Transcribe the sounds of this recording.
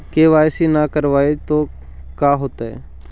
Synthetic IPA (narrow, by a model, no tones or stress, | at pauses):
keːʋaːjsinakəɾʋaːet̪oː | kaːɦoːt̪aɛ̰ː